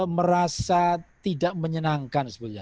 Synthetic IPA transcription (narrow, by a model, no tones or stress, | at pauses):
məɾasat̪idaʔməɲənaŋkansəbəɲa